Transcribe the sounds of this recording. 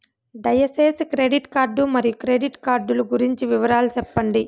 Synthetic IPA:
ɖɐjɐseːskɾe̞ːɖiʈkaːɾɖumɐɾijukɾeːɖiʈkaːɾɖuluɡuɾiɲt͡ʃiʋiʋɐɾaːlusɛpːɐɳɖi

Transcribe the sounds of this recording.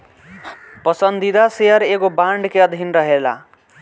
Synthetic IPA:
pʌsʌnd̪id̪asejʌɾekobaɳɖkeʌd̪ʱinrʌɦela̰

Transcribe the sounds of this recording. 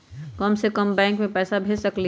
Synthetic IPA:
kɐmsekɐmbɛ̃ːŋkmẽpɛːsabʱeːd͡ʒsɐkli

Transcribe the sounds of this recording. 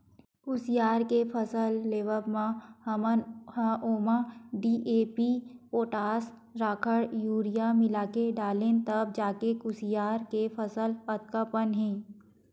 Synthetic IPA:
kʊsijaːɾkepʰəsəlːeːʋəbmãhɐmənhʔoːmaɖiːʔeːpioːʈaːs | ɾaːkʰəɽjuːɾijamɪlaːkeɖaːleːnt̪əb̚d͡ʒaːkekʊsijaːɾkepʰəsəlpət̪̚kəpənɦɛ̃ː

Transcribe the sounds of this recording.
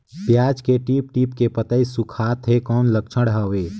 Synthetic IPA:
pjaːd͡ʒkeʈiːp̚ʈiːpkepət̪əisukʰaːt̪ɦekɔːnlək̚t͡ʃʰəɽɦəʋeː

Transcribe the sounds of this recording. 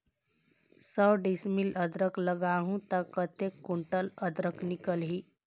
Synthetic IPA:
səwɖismilʔəd̪ɾəkləɡaɦũt̪əkət̪ekːuɳʈələd̪ɾəknikəlɦi

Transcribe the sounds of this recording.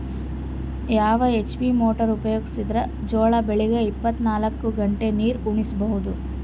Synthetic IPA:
jaːʋɐet͡ʃbimoːʈɐɾupɐjoːɡisid̪ɾɐ | d͡ʒoːɭɐbeɭiɡɐipːɐt̪ːnaːlɐkːuɡɐɳʈe̞niːɾuɳisɐbɐɦud̪u

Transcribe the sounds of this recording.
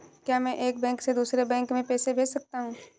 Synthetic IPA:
kjaːmɛ̃ʔeːk̚bɛ̃ːŋksed̪uːsɾebɛ̃ːŋkmẽpeːsebʱeːsɐk̚t̪aɦũː

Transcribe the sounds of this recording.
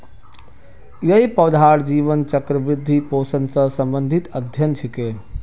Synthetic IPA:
jɐipɐwd̪ʱaːɽd͡ʒiːʋənt͡ʃɐkɾɐʋɾɪd̪ʱːipoːsənsɐsɐmbənd̪ʱit̪ɐd̪ʱjɐnt͡ʃʰikeː

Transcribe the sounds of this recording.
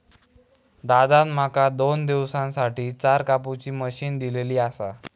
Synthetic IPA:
d̪ad̪anm̤akad̪ond̪iʋsãnsaʈiːt͡saɾkaput͡ɕiːməɕiːnd̪ileliːasa

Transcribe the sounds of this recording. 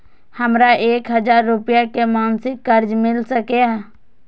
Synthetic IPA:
həmɾaʔeːkɦəd͡ʒaːɾːupjakemaːnsɪkːəɾd͡ʒmɪlsəkeɦɛ

